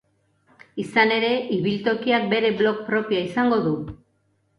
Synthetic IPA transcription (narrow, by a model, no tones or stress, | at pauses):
isane̞ɾe̞ʔiβilt̪o̞kiak̚be̞ɾe̞βlo̞kpɾo̞piaisaŋɡo̞ðu